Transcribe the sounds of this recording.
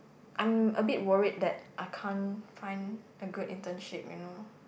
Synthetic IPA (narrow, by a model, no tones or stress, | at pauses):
ʔãɪməbit̚wəɹid̚dɛt̚ʔaɪkʰãnfãɪ̃n | əɡudḭ̃ntə̃nʃip̚jṵno